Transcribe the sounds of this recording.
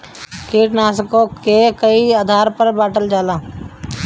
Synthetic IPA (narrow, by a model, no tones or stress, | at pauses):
keːʈnaːsəkõkekəiaːd̪ʱaːɾpəɾbaːʈəld͡ʒaːlaː